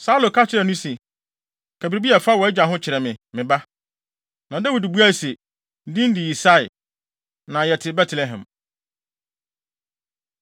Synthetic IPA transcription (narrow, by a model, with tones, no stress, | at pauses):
sa˦u˦lo˨kʰa˦t͡ɕʰɪ˨ɾɛ˨nʊ̃˦sɛ˨ | kʰæ˨bɾi˨bi˦a˨fa˦wɔ˨˦ɛ˦d͡ʑa˨ɦʊ̃˦t͡ɕʰɪ˨ɾɛ˨mɪ̃˨mɪ̃˨ba˦ | nã˨da˦wi˨dɪ˨bu˦a˦˨se˨ | n̩˦dĩ˦n˦dɪ˨i˨sa˦ɪ˨ | nã˨jɛ˨tʰɪ˨bɛ˦tʰlɛ˨ɦɛ̰̃˨m